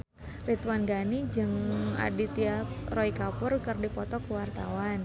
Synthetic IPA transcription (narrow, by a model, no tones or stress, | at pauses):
rit̪wanɡanid͡ʒəŋa̰dit̪iarɔikapʊrkərdipɔt̪ɔkuwart̪awan